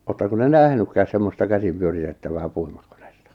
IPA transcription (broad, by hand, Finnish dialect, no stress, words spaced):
oːtːɑko te næhnykːæːs semːostɑ kæsim pyøritetːæʋæː puimurko̥n̥e̥stɑ̥